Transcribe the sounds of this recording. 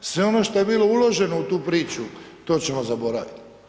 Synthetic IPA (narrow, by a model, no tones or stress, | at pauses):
sʋe̞o̞noʃt̪ojebiːlˠo̞ulˠo̞ʒe̞nout̪uːpɾiːt͡ʃu | t̪o̞ːt͡ɕemozabo̞ɾa̰ʋḭt̪